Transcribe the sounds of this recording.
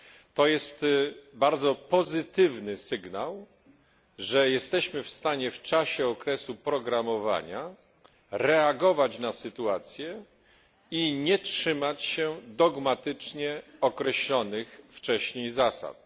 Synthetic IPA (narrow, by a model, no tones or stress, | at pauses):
t̪ɔjɛst̪baɾd̪zɔpɔzɘt̪ɘvnɘsɘɡnaw | ʐɛjɛst̪ɛɕmɘfst̪aɲɛft͡ʂaɕɛɔkɾɛsupɾɔɡɾamɔva̰ɲa | ɾɛaɡɔvat͡ɕnasɘt̪uat̪sʲjɛ | iɲɛtʂɘmat͡ɕɕɛd̪ɔɡmat̪ɘt͡ʂɲɛɔkɾɛɕlɔnɘxft͡ʂɛɕɲejzasa̰t̪̚